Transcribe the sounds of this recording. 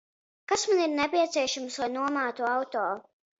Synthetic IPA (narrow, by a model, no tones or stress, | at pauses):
kasmaniɾnɛpʲiɛt̪siɛʃamslˠajnuɔmaːt̪uawt̪oː